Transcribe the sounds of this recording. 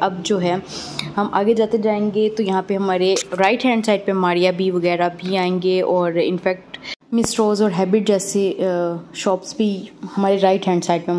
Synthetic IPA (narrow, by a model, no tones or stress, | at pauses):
ɐb̚d͡ʒoːɦɛːɦɐmʔa̰ːɡed͡ʒaːt̪ed͡ʒaːẽːŋɡet̪ojɐɦãpeɦɐmaːɾeɾaːɪʈɦɛ̃ːɳɖsaːɪɖ̚pẽmaːɾijabʱiʋɐɣɛːɾabʱiaːẽːŋɡeɔːɾɪ̰nfɛːk̚ʈmɪsɾoːzɔːɾɦɛːbɪʈ̚d͡ʒɛːse | ʃɔːpsbʱihɐmaːɾeɾaːɪʈɦɛ̃ːɳɖsaːɪɖ̚pẽ